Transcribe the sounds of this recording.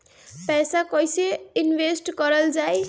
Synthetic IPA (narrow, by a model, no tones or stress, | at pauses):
pɛjsakʌjseinbesʈkʌɾʌld͡zaj